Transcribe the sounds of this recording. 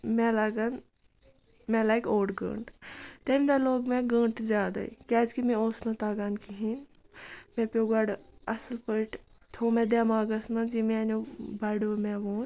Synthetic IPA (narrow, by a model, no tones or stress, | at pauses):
mɛlɐɡɐn | mɛ̃lajkoːʈɡə̰̃ːɳʈt̪emd̪aloːɡmẽɡə̃ɳʈzʲjaːd̪a̰ḭkaːd͡ʒkimẽoːsnot̪aːɡankʰiɦin | mɛ̃pʲoːɡɐɽɐslpəʈ | t̪ʰoːmɛ̃d̪aːmaːɡɐsmɐnd͡ʒimẽnʲobɐɽomɛʋoːn